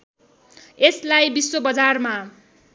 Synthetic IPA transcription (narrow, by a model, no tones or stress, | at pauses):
eslajbiswobʌd͡zarma